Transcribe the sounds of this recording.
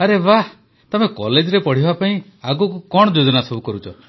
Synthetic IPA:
aɾeba | t̪ɔmekɔled͡ʒɔɾepɔɽ̤ibʱapaĩ | aɡukukɔɽ̃ɔd͡ʒod͡ʒɔnasɔbukɔɾut͡ʃʰɔ

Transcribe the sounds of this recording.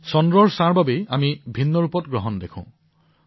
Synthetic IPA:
sɔndɹɔɹsaɹbabeamibʱinːɔɹupɔtɡɹɔɦɔndekʰʊ̰̃

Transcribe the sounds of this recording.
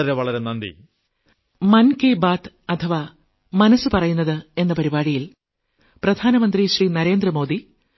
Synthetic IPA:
ɐɾeʋɐɭɐɾenɐnd̪ḭ | mɐnkeːbaːt̪ | ɐt̪ʰɐʋa | mɐnɐsɨpɐrɐjunːɐðɨe̞nːɐpɐɾibaːɽijil | prɐd̪ʱaːnɐmɐnd̪riɕriːnɐɾe̞ːnd̪rɐmo̞ːd̪i

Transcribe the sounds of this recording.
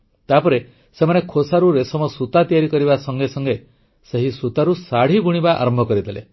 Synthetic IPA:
t̪apɔɾe | semanekʰosaɾuɾesɔmɔsut̪at̪ijaɾikɔɾibasɔŋɡesɔŋɡe | seɦisut̪aɾusaɽ̤ibuɽ̃ibaʔa̰ɾɔmbʱɔkɔɾid̪ʰʱelḛ

